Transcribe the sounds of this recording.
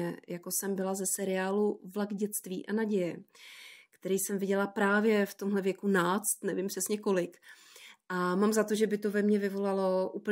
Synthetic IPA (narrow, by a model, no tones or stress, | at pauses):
ɛjako̞sɛmbɪlazɛsɛɾɪaːluvlaɡɟɛt͡st̪vḭːʔanaɟɛjɛ | kt̪ɛɾijsɛmvɪɟɛlapɾaːvjɛft̪o̞mɦlɛvjɛkunaːt͡st̪nɛvɪmpr̥ɛsɲɛko̞lɪk | ʔamamzat̪o̞ʒɛbɪt̪o̞vɛmɲɛvɪvo̞lalo̞ʔuːpl